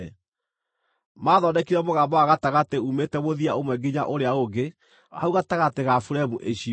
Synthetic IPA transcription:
maðɔdɛkiɾɛmoɣaːbɔaɣataɣateumetɛβoðiaomwɛɡiɲa̰ʔoɾeaoɡe | a̰uɣataɣateɣafuɾɛmuʔeɕi

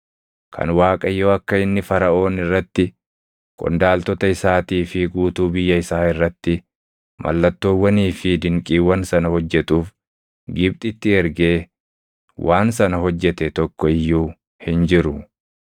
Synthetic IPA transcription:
kʰɐ̰nwaːkʼɐjoːɐkːɐɪnːɪfɐɾɐo̞ːnɪrːɐt̪ːɪ | kʼɔ̰nd̪aːlt̪ɔt̪ɐɪsaːt̪iːfɪɡuːt̪uːbɪjːɐɪsaːɪrːɐt̪ːɪ | mʔɐ̰lːɐt̪ːoːwːɐniːfɪd̪ɪŋkʼiːwɐnsɐnɐhɔd͡ʒːɛt̪uːf | ɡɪbt̪ʼɪt̪ːɪɛɾɡe̞ː | wʔaːns̬ɐnɐɦɔd͡ʒːɛt̪ɛt̪ɔkːɔɪjːuː | hɪnd͡ʒɪɾʊ

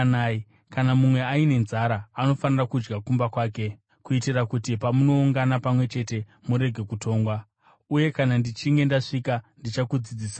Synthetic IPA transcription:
naːi | kanamumwe̞aine̞nzaɾaːno̞fanirakud͡ʒɡakumbakwaːk̬e̞ | kuitirakutipamuno̞uŋɡanapamwe̞t͡ʃe̞te̞ | muɾe̞ɡʱe̞kutʰo̞ːŋɡwa | uje̞kanandit͡ʃiŋɡe̞ndaʂikandit͡ʃakud͡zid͡ziːsa

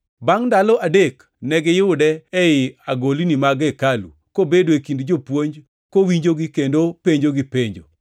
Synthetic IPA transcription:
baŋndalɔʔadek | nɛɡɛjʊdɛɛɪaɡolinimaɡɛkalṵ | kobedwekindd͡ʒopwoɲd͡ʒ | kowiɲd͡ʒoɡɪkendopeɲd͡ʒoɡipeɲd͡ʒo̰

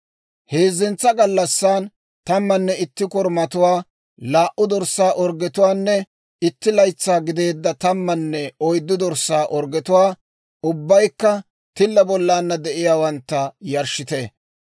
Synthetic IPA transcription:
he̞ːzɪnt͡sːɐɡɐlːɐsːaːn | t̪ɐmːɐnːɛɪt̪ːɪkɔɾmɐt̪ʊwaː | laːʔʊd̪ɔɾsaːʔɔɾɡɛt̪ʊwaːnːɛ | ɪt̪ːɪlɐjt͡sːaːɡɪd̪e̞ːd̪ːɐt̪ɐmːɐnːɛɔjd̪ːʊd̪ɔɾsːaːʔɔɾɡɛt̪ʊwaː | ʊbːɐjkːɐ | t̪ɪlːɐbɔlːaːnːɐd̪ɛʔɪjaːwɐnt̪ːɐjɐɾʃɪt̪eː

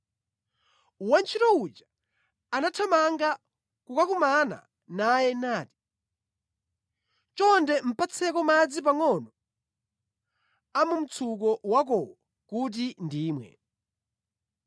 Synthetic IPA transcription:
want͡ʃʰitɔut͡ʃḁ | anatʰamaŋɡa | kukakumana̰ | najɛnaːti̥ | t͡ʃɔndɛm̩pat͡sʰɛkɔmad͡zip̬aŋɔnɔ | amum̩t͡sʰuk̬ɔwak̬ɔwɔ | kut̬indiːmwɛ̰

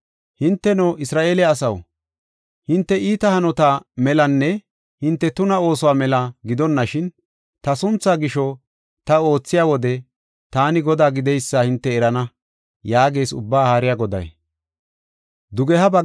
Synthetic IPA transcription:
hɪnt̪ːɛnɔːʔɪsɾaːʔe̞ːlɛːsɐw | hɪnt̪ːɛʔiːt̪ɐhɐnɔt̪amɛlɐnːɛ | hɪnt̪ːɛt̪ʊnɐo̞ːsɔwaːmɛlɐɡɪd̪ɔnːɐʃɪn | t̪ɐsʊnt͡sːaːɡɪʃɔ | t̪ɐo̞ːt͡sːɪjaːwɔd̪ɛ | t̪aːnɪɡɔd̪aːɡɪd̪ɛjsːɐhɪnt̪ːɛːɾɐnɐ | jaːɡe̞ːsʊ̰bːaːhaːɾɪjaɡɔd̪ɐ̰j | d̪ʊɡɛhɐbɐ

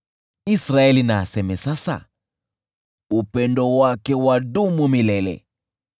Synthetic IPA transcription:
isɾaɛlinaːsɛmɛsasa̰ | upɛndɔwakɛwadumumilɛlɛ̰

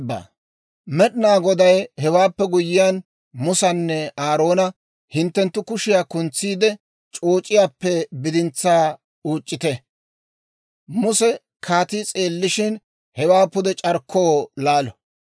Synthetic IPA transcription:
bːa̰ː | mɛɗɪnaːɡɔd̪ɐjhɛwaːpːɛɡʊjɪjan | mʊsɐnːɛaːɾoːnɐ | hɪnt̪ːɛnt̪ːʊkʊʃɪjaːkʊnt͡sːiːd̪ɛ | t͡ʃʼo̞ːt͡ʃʼːɪjaːpːɛbɪd̪ɪnt͡sːaː | uːt͡ʃʼːɪt̪ɛ | mʊsɛ | kʰaːt̪it͡sʼe̞ːlːɪʃɪn | hɛwaːpːʊd̪ɛt͡ʃʼɐɾkʰːoːlaːlɔ

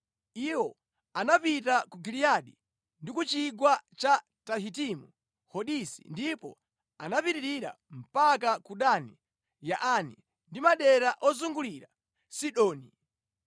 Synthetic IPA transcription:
iwɔ | anapitakuɡilijaɗi | ndikut͡ʃiɡwat͡ʃa | taɦitimu | hɔɗisḭndipɔ̰ | anapiɾiɾiɾa̰ | m̩pakakuɗani | jaʔani | ndimaɗɛɾaʔɔzuŋɡuliɾa | siɗɔːni

